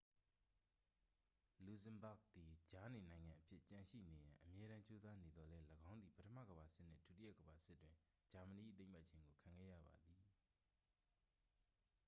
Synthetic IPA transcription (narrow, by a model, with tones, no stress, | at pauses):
lu˨zə̃˨mba˦˨ɡ̚t̪i˨d͡ʑa˦ne˨nã˨ɪ̃ŋã˨ʔəpʰjɪ˦ʔt͡ɕã˨ʃḭ˦˨ne˨jã˨ʔəmjɛ˦ɾã˦t͡ɕo˦za˦ne˨d̪ðɔ˨lɛ˦ləɡã˦ʊ̃nd̪ði˨pə˦tʰə˦mä̰˦˨ɡəba˨sɪ˦ʔn̥ɪ̰̃˦˨tu˨tɪ˦ja˦˨ɡəba˨sɪ˦tːwɪ̃˨ | d͡ʑa˨mə˨ni˨ʔḭ˦˨t̪ẽ˦ɪ̃ma˦˨ʔt͡ɕʰɪ̃˦ŋɡo˨kʰã˨ŋɡɛ̰˦˨jä̰˦˨ba˨d̪i˨